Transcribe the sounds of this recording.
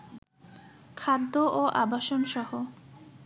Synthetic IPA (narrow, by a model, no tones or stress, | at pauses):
kʰad̪ːoʔoʔabaʃonʃɔɦo